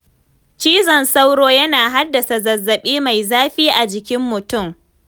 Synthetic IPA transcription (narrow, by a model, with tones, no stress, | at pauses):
t͡ʃiː˦zɐ˨nsa˦wɽoː˦jɐ˦naː˨ɦa˦dːɐ˨sa˨zɐ˨zːɐ˨ɓiː˦ma˨jzaː˦ɸiː˦ʔa˨d͡ʒɪ˨kʲɪ˦mːʊ˨tʊ˦˨m